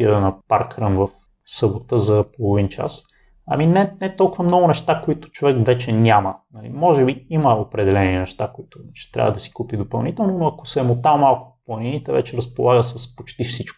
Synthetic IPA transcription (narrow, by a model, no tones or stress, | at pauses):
iəd̪ənɐpa̰ɾkɾəmvəf | səbot̪əzɐpolˠovint͡ʃa̰s | ɐ̰minɛnɛt̪ɔlˠkʊvəmnɔɡʊnɛʃt̪akoit̪ʊ̥t͡ʃovɛkvɛt͡ʃɛnʲamənɐlḭmɔʒɛbiiməopɾɛd̪ɛlɛninɛʃt̪akoit̪ʊɛt͡ʃɛ̥t̪ɾʲa̰vəd̪ɐsi̥kupid̪opɐlˠnit̪ɛlˠnonoɐkosɛmot̪amalˠkʊ̥plˠɐninit̪ɛvɛ̰t͡ʃɛɾɐspolˠaɡəsəspot͡ʃt̪ifsit͡ʃkʊ̥